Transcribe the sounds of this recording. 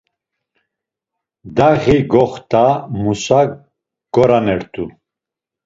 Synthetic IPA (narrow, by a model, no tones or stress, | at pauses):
d̪aɣiɡɔχt̪ʰʼamusa | ɡ̥ɔɾanɛɾt̪ʰʼu